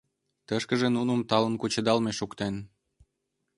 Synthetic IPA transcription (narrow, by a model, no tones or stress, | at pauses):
t̪əʃkəʒenunəmt̪ɑlənkut͡ɕəd̪ɑlmeʃukt̪en